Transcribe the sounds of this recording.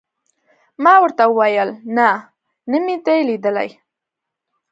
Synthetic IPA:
mɑwəɾt̪aəwajəlna | nəmit̪elid̪əla̰j

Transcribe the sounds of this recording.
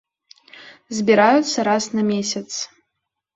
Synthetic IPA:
zʲbʲiɾajut̪sːɐɾasnɐmʲesʲɐt̪s

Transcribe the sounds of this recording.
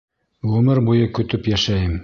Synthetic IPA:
ʁɵmɘɾbujɤkɵ̆t̪ɵpjæʃæjɘm

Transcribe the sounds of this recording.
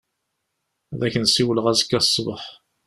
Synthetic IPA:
ðæçənsiwələʁæzəkːæsˤːbəħ

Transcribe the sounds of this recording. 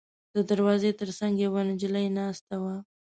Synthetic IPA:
d̪̥əd̪aɾwɑzet̪əɾsaŋɡjawanɪd͡ʒɪlajnast̪awa

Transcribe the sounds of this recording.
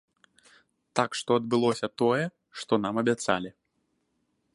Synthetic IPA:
t̪akʂt̪ɔɐd̪̚bɨlˠɔsʲɐt̪ɔjɛ | ʂt̪ɔnamɐbʲat̪sa̰lʲi

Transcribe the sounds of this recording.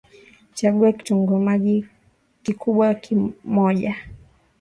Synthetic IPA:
t͡ʃaɠuɛki̥tuŋɡɔmaʄi | kikuɓwakʰimɔʄa

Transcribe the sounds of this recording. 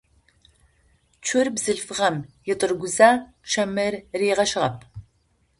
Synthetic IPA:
t͡ʃʷʰʊrbzɨɮfɨʁɐmjɪtʼɨrɡʷʊzaː | ʃɐmɐrreːʁɐʃɪʁɐp̚ʰ

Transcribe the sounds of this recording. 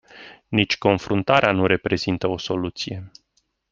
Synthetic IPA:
nit͡ʃʲko̞nfɾunt̪aɾeanuɾe̞pɾe̞zint̪əo̞so̞lut̪sije̞

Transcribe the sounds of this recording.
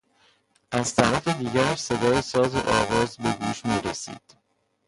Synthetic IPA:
ʔæz̥t̪ʰæɾæfed̪iːɟæɾæʃse̞d̪ɒːjesɒːzeʔɒːɣɒːzbe̞ɡuːʃmiːɾesḭːd̪̥

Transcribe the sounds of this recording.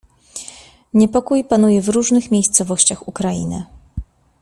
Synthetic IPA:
ɲɛpɔkujpan̪ujɛvɾuʐnɘxmʲejst̪sɔvɔɕt͡ɕaxukɾajḭnɘ̰

